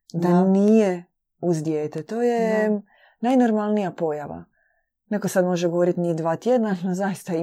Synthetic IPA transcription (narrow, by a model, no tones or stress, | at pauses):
d̪anije | uzd̪jeːt̪et̪o̞ːje | najnoɾmalˠnijapo̞jaʋa̰ | nekosad̪mo̞ʒeɡooɾit̪nid̪ʋaːt̪jed̪nanozajist̪ai